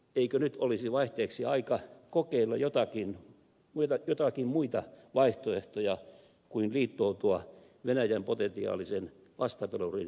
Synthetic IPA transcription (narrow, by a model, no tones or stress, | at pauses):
eikønyt̪olisiʋɑiht̪eːksiɑikɑkokeilːɑ̰jot̪ɑkin | mut̪ɑjot̪ɑkimmuit̪ɑʋɑiht̪oeht̪ojɑ | kuinliːt̪ːoːt̪uɑ | ʋenæjæmpot̪ent̪iɑ̰ːlisen | ʋɑst̪ɑpelurḭn